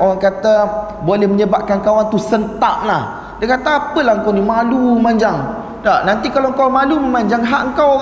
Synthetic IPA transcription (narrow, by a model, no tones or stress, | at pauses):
oɣaŋkat̪a | bolɛhməɲəbaʔ̚kankawant̪usənt̪aʔ̚lah | dəkat̪aapəlahəŋkawnimalumaɲd͡ʒaŋ | danant̪ikalawəŋkawmaluməmaɲd͡ʒaŋɦaʔəŋkaw